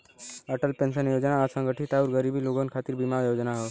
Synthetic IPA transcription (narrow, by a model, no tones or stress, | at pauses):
əʈəlpẽnʃənjoːd͡ʒnaəsə̃ŋɡəʈʰiʈauɾɡəɾibiloɡonkʰaːt̪iɾbimajoːd͡ʒnaɦo